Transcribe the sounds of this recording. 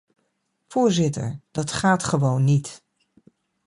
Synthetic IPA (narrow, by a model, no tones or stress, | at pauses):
fʊːɹzɪtə̰ɹd̥ɑtχaːtχəʋownːit